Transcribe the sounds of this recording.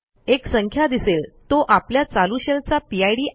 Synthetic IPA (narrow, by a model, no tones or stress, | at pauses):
eksəŋkʰjad̪iselt̪oʔapljat͡saluɕelt͡sapiajɽiːʔ